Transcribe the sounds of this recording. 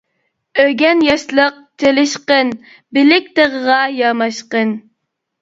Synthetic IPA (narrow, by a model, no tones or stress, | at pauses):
øɡʲɛnjɑʃlˠəq̚t͡ʃʰelɪʃqən | bɪlɪk̚ʲt̪eʁəʁɑjɑmɑʃqən